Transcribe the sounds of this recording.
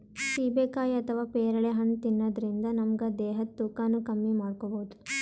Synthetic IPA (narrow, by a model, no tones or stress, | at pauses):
ʃiːbeːkaːjɐt̪ʰɐʋaːpɛːɾɐɭeɦɐnt̪inːɐd̪ɐɾind̪ɐnɐmɐɡɐd̪ɛːɦɐt̪ːuːkaːnːukɐmːimaːɽkobɐud̪u